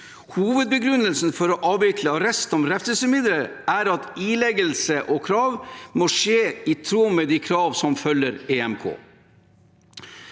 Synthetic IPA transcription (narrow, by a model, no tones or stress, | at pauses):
huːʋəd̪̚bəɡɾʉnːəlsn̩fɔɾɔʔɑːʋɪk̪ʰləɑɾɛst̪ɔmɾɛft̪əsəmɪd̪ɾəɾæɾɑt̪iːlɛɡəlsəʔɔkʰɾɑːʋmoːʂeːit̪ʰɾuːmɛd̪ikʰɾɑːʋsɔmfœlːəɾeːɛmkʰo̰ː